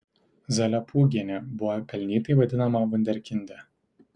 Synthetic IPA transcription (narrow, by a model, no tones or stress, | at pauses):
zɐlʲɐpʰuːɡʲiɛnʲɛbʊʋɐkɐlʲnʲiːt̪ɐɪʋɐd̪ʲɪnɐmɐʋʊnʲd̪ʲɛɾʲkʲɪnʲd̪ʲɛ